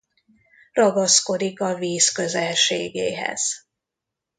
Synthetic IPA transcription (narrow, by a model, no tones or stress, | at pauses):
rɒɡɒsko̞d̪ikɒviːskø̞zɛlʃeːɡḛːɦɛ̰z̥